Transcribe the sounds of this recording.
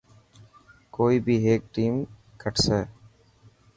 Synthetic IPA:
koːibiɦeːk̚ʈĩːm | kəʈse

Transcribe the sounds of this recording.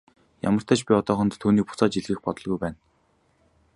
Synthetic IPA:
ja̰mə̆r̥t̪ʰæːt͡ɕpʲiɔt̪ɔːχɞ̆nt̪tʰːuːniːk̚pʊ̥t͡saːt͡ɕiɮɣɘ̆xpɔt̪ɞ̆ɮɣujpæːn

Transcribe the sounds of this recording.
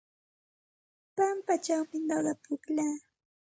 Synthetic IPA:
pampat͡ʃawpɪnd̪ɑɢɑpʊklaː

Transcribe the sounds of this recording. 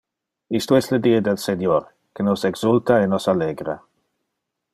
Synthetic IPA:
istuɛsləd̪iəd̪ɛlsenjɔɾ | kənɔsɛɡz̥ultaenɔsalɛɡɾa̰

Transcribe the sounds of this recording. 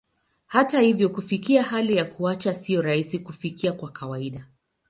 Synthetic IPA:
hatahivjɔkufikiahalijakuat͡ʃasijɔɾaisikufikiakwakawaiɗa

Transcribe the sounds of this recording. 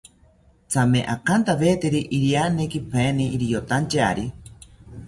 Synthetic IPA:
t͡sʰameʔakant̪aβeːt̪eɾiʔiɾjanekipʰeːniːɾijot̪ant͡ʃaɾi

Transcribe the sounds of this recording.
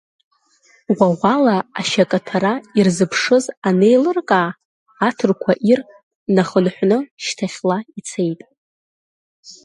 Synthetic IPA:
waʁʷalaːʃakʼatʰaɾairzɨpʰʂɨzane̞jlɨrkʼaː | tʰɨrkʷʰaʔir | naχənħʷnɨʃtʰaχʲlait͡sʰe̞jtʼ

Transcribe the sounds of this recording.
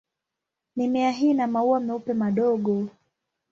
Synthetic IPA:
nimɛaɦinamauamɛupɛmaɗɔɠɔ

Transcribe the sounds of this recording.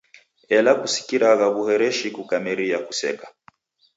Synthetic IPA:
ɛlakusi̥kiɾaɣaβuhɛɾɛʃikukamiɾiakusɛ̰kḁ

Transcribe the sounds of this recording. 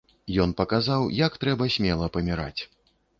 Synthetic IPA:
jɔnpɐkazawjakt̪ɾɛbɐsʲmʲɛlˠɐpɐmʲiɾa̰t͡sʲ

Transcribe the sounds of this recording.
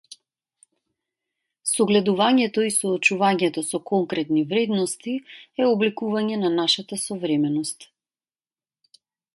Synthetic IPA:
sɔɡlɛd̪uvaɲɛt̪ɔisɔːt͡ʃuvaɲɛt̪ɔsɔkɔŋkɾɛt̪nivɾɛd̪nɔst̪iɛɔblikuvaɲɛnanaʃat̪asɔvɾɛmɛnɔst̪

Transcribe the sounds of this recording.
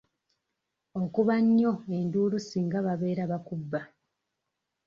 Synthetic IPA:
o̞kuβaɲːo̞e̞nduːlusiŋɡaβaβe̞ːɾaβakubːa

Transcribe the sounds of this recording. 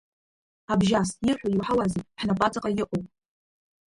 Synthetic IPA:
abʒastjɪrħʷojiwħawaziħnapʼat͡sʼaqʼajɪʔʷʼopʼ

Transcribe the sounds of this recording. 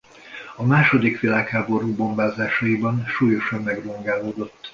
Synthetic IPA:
ɒmaːʃo̞d̪ikʋilaːkhaːbo̞ɾuːbo̞mbaːzaːʃɒjibɒnʃuːjo̞ʃɒmːɛɡroŋɡaːloːd̪o̞t̪ː

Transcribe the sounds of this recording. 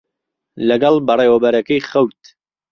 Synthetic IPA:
lɐɡɑlˠbɐreːwɐbɐɾɐkɐjχɐwt̪

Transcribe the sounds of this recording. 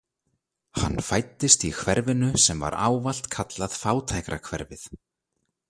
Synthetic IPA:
ha̰nːfajt̪ːɪst̪ikʰvɛɾvɪnʏsɛmva̰ɾa̰ːwval̥t̪kʰat̪laðfaːwt̪ʰajkɾakʰvɛɾvɪθ

